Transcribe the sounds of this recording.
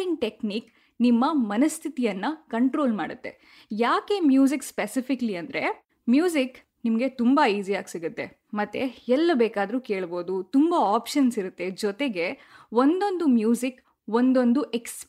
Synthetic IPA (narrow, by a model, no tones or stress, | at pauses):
iŋɡʈekniːk | nimːɐmɐnɐst̪ʰit̪ijɐnːɐkɐɳʈɾo̞ːlma̰ːɽut̪ːe̞̰ | jaːke̞mjuːzikspesipʰikɐliɐnd̪ɐɾe̞ | mjuːzik | nimɐɡe̞t̪umbaiːsijaːɡsiɡut̪ːe̞ | mɐt̪ːe̞̰ɛlːɐbeːkaːd̪ɐɾuːke̞ːɭbo̞ːd̪ut̪umbaaːpʃɐnsiɾut̪ːe̞d͡ʒɔt̪eɡe̞ | ʋond̪o̞nd̪umjuːzik | ʋond̪o̞nd̪uʔeks